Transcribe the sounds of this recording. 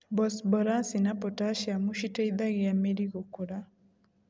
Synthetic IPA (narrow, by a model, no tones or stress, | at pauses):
bɔsbɔɾasinapɔtaʃjamuʃiteid̪aɣɪameɾiɡokuɾa